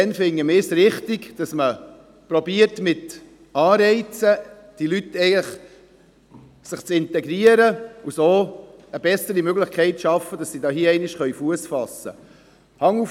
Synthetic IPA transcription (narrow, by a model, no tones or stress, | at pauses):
ɛnfɪŋːəmɪsɾɪχtɪɡd̥ɑsmə | pɾobiəɾtmɪt̪ | ɑːɾɛɪt͡sə | d̥ilytːɛɪɡələχ | sɪχt͡sɪnt̪ɛɡɾiəɾəusoːəbɛsəɾimøɡləχkʰɛɪtʃɑfːəd̥ɑsːidɑːɦiəɛɪnɪʃχœɥfuəsfɑsə̰ | hɑŋːu